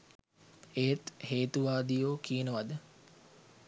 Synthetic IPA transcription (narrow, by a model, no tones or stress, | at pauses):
ejt̪heːt̪uʋaːd̪ijoːkiːnəʋad̪ə